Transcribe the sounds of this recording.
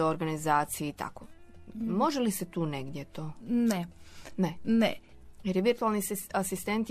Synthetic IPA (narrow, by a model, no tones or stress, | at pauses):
eoɾɡanizaːt̪sijeit̪a̰komo̞ʒeliset̪uːneɡd̪jet̪oːnenenḛ | jeɾjeʋiɾt̪ualˠniasist̪ent̪